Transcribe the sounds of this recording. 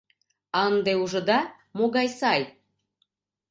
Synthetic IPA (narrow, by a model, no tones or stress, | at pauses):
ɑnd̪euʒɤ̆d̪ɑ | moɣɑjsɑj